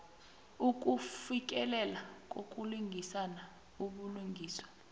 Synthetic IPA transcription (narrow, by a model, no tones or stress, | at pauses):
uk̬ʼufik̬ʼɛlɛlak̬ʼokʼuluŋɡʱisana | uɓuluŋɡʱiːswḁ